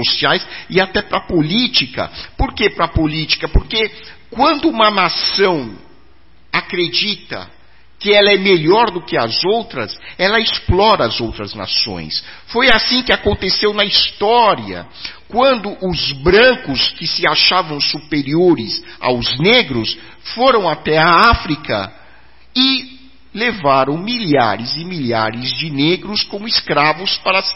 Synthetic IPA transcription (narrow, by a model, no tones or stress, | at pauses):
osiajsɪat̪ɛpɾɐpolit͡ʃikɐ̰poɾkepɾɐpolit͡ʃi̥kɐpoɾkekwɐ̃nd̪ʊũmɐnasɐ̃w̃ | akɾed͡ʒit̪ɐ̰ | kɪɛlɐɛmeʎɔɾd̪ʊkɪɐ̰zowt̪ɾɐsɛlɐɪsplɔɾɐːzowt̪ɾɐzna̰sõ̰j̃s | fojasĩkɪakõnt̪esewnɐist̪ɔɾiɐ̰ | kwɐ̃nd̪ʊʔʊzbɾɐ̃kʊskɪsɪaʃavɐ̃w̃supeɾioɾɪza̰wzneɡɾʊs | foɾɐ̃w̃at̪ɛaafɾikɐ̰ | ɪ | levaɾɐ̃w̃miʎa̰ɾɪzɪmiʎa̰ɾɪzd͡ʒɪneɡɾʊskõmʊɪskɾavʊspaɾɐs